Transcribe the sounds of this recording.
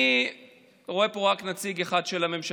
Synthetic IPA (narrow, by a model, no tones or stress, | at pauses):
ʁo̞e̞poʁaknat͡siɡeχadʃelame̞mʃa